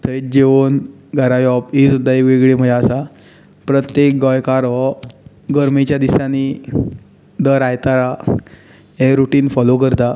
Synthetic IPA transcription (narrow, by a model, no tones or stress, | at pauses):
t̪ʰəj̚d͡ʑeʋən | ɡʱəɾajɔpɦisud̪ʱːaekʋeɡɭim̤əd͡ʑaəsa | pɾət̪jek̚ɡɔjkaɾɦɔ | ɡəɾmit͡ɕjad̪isani | d̪əɾajt̪aɾa | ɦeɾuʈiːnfɔlok̬əɾt̪a